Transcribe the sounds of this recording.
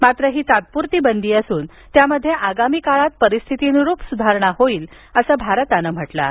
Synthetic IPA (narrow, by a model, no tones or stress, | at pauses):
mat̪ɾəɦiːt̪at̪̚puɾt̪iːbənd̪iːəsuːn | t̪jaməd̪ʱːjeʔaɡamiːkaɭat̪̚pəɾist̪ʰit̪inuɾupsud̪ʱaɾɳaɦoiːl | əsəːbʱaɾət̪anəm̤əʈla̰